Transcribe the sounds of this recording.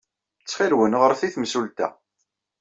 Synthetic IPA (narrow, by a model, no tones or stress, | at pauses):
t͡sːχilwənʁəɾθiθmsult̪æ̰